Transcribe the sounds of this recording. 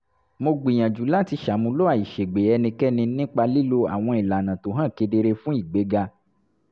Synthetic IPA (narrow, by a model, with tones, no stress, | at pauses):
mo˧ɡ͡bĩ˨j̃ã˨d͡ʒu˨˦la˦˨ti˧ʃa˨˦mũ˧˦lo˦a˦˨i˨ʃe˨ɡ͡be˨˦ɛ˧nĩ˧kɛ˦nĩ˧nĩ˦k͡pa˧li˦lo˦a̰˨w̃ɔ̃˧i˨la˨nã˨to˨˦ɦã˦˨ke˧de˧ɾe˧fũ˦i˦˨ɡ͡be˨˦ɡa˧